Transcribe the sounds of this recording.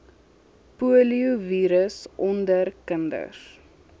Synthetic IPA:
puəliuviːɾəsʔɔndərkəndə̰r

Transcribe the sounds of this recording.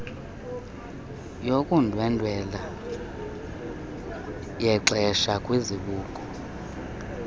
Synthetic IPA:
jokʼundʱwɛndʱwɛla | jɛǀɛʃakʼwiziɓuːkʼɔ̥

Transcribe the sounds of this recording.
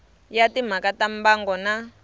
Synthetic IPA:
jatim̤akatambaŋɡɔna

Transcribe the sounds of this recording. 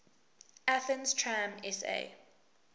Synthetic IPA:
aθə̃nstʰɹãmɛsḛː

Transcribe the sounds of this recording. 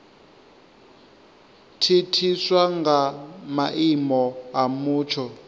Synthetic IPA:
tʰitʰiswaŋɡamaʔimɔamuːt͡ʃʰɔ

